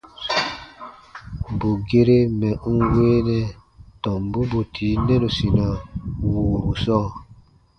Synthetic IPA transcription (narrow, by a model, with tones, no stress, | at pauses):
bu˨ɡe˦ɾe˦mɛ˨ʔũ˦weː˦nɛ˦tɔ˨mbu˦bu˨tʰi˨˦nɛ˦ɾo˨si˨na˨wu˨bu˨sɔː˦˨